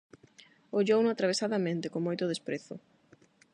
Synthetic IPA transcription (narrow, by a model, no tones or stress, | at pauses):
oʎownʊat̪ɾaβ̞esaðɐmẽnt̪ɪkoŋmojt̪ʊðespɾeθʊ